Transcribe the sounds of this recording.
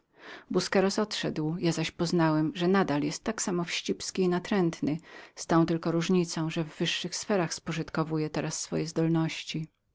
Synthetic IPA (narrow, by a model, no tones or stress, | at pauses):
buskɛɾɔsɔt̪ʂɛd̪wjazaɕpɔznawɛmʐɛnad̪aljɛst̪ːaksamɔfɕt͡ɕipskʲiːnat̪ɾɛnt̪nɘst̪aw̃t̪ɘlkɔɾuʐɲit̪sɔ̃w̃ʐɛvːɘʂːɘxsfɛɾaxspɔʐɘt̪kɔvujɛt̪ɛɾasːfɔ̰jɛzd̪ɔlnɔɕt͡ɕi